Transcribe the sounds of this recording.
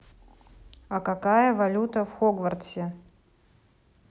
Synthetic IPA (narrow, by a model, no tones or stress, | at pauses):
ɐkakajəvɐlʲut̪əfxoɡvɐrt̪sʲɪ